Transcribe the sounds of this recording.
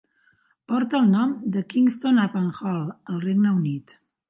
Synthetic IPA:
pɔɾt̪əːlˠnɔmd̪əkiŋst̪onapənxɔlˠəlˠreɡnəunit̪

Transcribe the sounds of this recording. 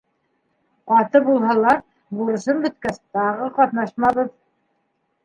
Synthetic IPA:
qɑt̪ɤbulˠɦɑlˠɑɾ | buɾɤ̆ʃɤmbɵ̆t̪kæst̪ɑʁɤqɑt̪nɑʃmɑβɤð

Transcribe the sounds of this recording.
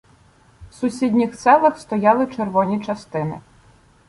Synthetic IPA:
sʊsʲidʲnʲixt̪sɛlˠɐxst̪ɔjɑlˠɪt͡ʃerʋɔnʲit͡ʃɐst̪ɪnɪ̰

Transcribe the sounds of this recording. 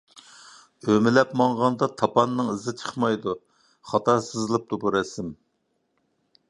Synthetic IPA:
ømɪlɛpmɑŋʁɑnd̪ɑt̪ʰɑpʰɑnːɨŋɨzɨt͡ʃʰə̥χmɑjd̪u | χɑt̪ɑsɨzɨlˠɨp̚t̪ʰubuɾɛsɪm

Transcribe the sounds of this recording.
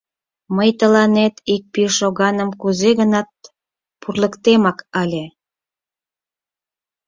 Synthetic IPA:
məjt̪əlɑnet̪ik̚piʃoɣɑnəmkuzeɣənɑt̪̚ | purləkt̪emɑkɑlʲe

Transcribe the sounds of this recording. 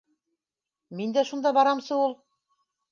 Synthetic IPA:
mind̪æʃund̪ɑbɑɾɑmsɤulˠ

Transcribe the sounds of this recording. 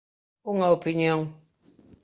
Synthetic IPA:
uŋaopiɲɔŋ

